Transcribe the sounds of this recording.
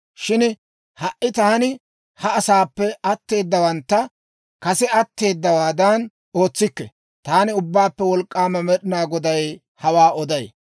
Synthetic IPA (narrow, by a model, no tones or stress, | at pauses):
ʃɪn | hɐʔɪt̪aːnɪ | hɐɐsaːpːɛɐt̪ːe̞ːd̪ːɐwɐnt̪ːɐ | kɐsɛɐt̪ːe̞ːd̪ːɐwaːd̪ɐn | o̞ːt͡sːɪkːɛ̰ | t̪aːnɪʊbːaːpːɛwɔlkʼːaːmɐmɛɗɪnaːɡɔd̪ɐj | hɐwaːɔd̪ɐj